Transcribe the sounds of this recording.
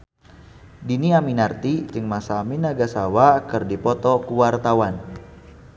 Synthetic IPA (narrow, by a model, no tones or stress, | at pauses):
diniaminart̪id͡ʒɨŋmasaːminaɡasawakɨrdipɔt̪ɔkuwart̪awan